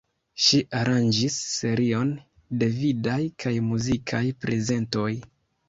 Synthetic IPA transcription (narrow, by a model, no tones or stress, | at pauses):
ʃiʔaɾand͡ʒisːe̞ɾio̞n | de̞vidajkajmuzikʰajpɾe̞ze̞nto̞j